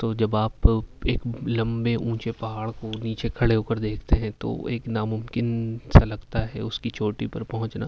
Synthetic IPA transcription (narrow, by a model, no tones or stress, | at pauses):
t̪oːd͡ʒɐbaːpeːklɐ̃mbeʔũːt͡ʃepɐɦaːɭkoniːt͡ʃekʰɐɽeoːkəɾd̪eːkʰt̪eɦɛ̃t̪o̰ːḛːknamʊmkɪnsalɐɡt̪aɦɛʊskit͡ʃʰoːʈipɐɾpɐɦʊ̃t͡ʃnaː